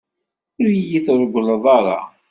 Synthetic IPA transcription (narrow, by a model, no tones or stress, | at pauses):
ʊɾjiθɾˤəɡʷləðˤɑɾˤɑ̰